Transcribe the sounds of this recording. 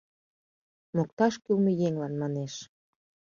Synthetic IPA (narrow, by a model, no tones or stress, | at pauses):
mok̚t̪ɑʃkylmejeŋlɑnmɑneʃ